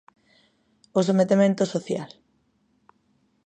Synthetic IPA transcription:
os̬omet̪emẽnt̪osoθjal

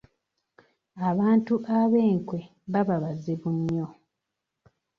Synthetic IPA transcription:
aβaːntuʔaβe̞ːŋkwe̞ | βaβaβaziβuɲjo̞

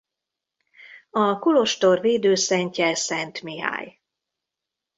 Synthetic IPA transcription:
ɒkulo̞ʃt̪orveːd̪øːsɛɲcɛsɛnt̪miɦa̰ːj

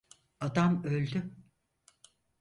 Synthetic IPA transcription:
ad̪amølʲd̪y

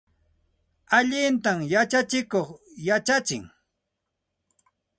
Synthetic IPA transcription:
aʎɪnt̪amjat͡ʃat͡ʃɪkoχjat͡ʃat͡ʃɪ̰ŋ

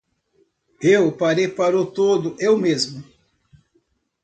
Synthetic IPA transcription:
ewpaɾejpaɾʊt̪od̪ʊʔewmezmʊ

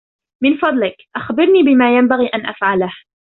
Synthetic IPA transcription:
mɪnfɑd̪ˤlɪkʔaxbɪɾniːbɪmaːjambaɣiːʔanʔafʕalah

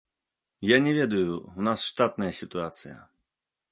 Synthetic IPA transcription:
janʲɛvʲɛd̪ɐjuunasʂt̪at̪̚nɐjɐsʲit̪uat̪sɨjɐ̰

